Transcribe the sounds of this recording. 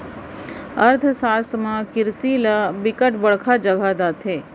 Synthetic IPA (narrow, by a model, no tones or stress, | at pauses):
əɾt̪ʰəsaːst̪ʰmãkɪɾsilabɪkəʈbəɽkʰad͡ʒəɡʱaːd̪at̪ʰeː